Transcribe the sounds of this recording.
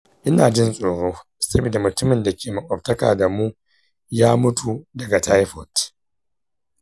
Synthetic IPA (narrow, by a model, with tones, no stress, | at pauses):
ʔɪ˦naː˨d͡ʒɪ˦nsʼoː˨ɽoː˦ | sɐ˦bi˨da˨mʊ˨tʊ˦mɪ˨nda˨kʲeː˨ma˨ʔʼɔ˨b̚tɐ˦ka̰ː˨da˨muː˦ | jaː˦mʊ˦tu˨dɐ˨ɡa˨tʰa˦jɸɔ˨t